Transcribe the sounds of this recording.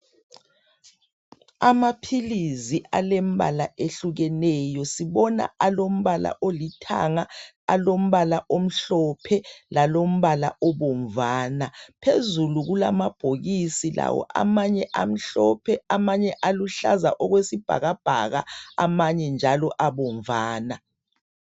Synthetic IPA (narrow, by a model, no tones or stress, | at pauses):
amapʰiliziʔalem̩βʱa̰laʔeɬuɣɛnɛjɔsiβɔna̰alom̩βala̰ʔolitʰa̰ŋa | a̰lom̩βalaʔom̩ɬɔpʰɛlalom̩βala̰ʔɔβoɱvaːnapʰezuluɣula̰mab̥ʱoɣisila̰wɔ̰ʔa̰maɲɛʔam̩ɬɔpʰɛamaɲɛʔaluɬa̰zaʔɔɣwesib̥ʱa̰ɣab̥ʱa̰ɣa̰amaɲɛnd͡ʒʱalɔʔaβɔɱvaːna